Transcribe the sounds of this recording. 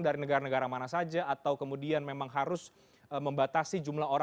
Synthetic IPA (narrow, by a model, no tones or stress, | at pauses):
ŋdaɾinəɡaɾanəɡaɾamanasad͡ʒaːt̪awkəmudianmemaŋɦaɾʊs | əməmbat̪asid͡ʒumlahoɾ